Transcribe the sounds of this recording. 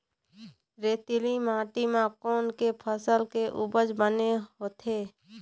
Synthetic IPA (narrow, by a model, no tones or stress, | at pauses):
ɾeːt̪ɪlimãːʈimãkoːnkepʰəsəlkeʔʊbəd͡ʒbəneɦoːt̪ʰeː